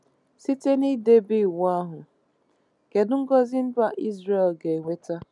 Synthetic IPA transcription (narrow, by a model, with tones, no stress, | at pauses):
si˦te˦ni˦de˦bi˦˨wa˦ɦʊ˨ | ke˨dʊ˦ŋ̩˦ɡɔ˦zɪ˦n̩˦da˦˨ʔi˦zɾe˦˨lɡe˨ŋʷe˦ta˦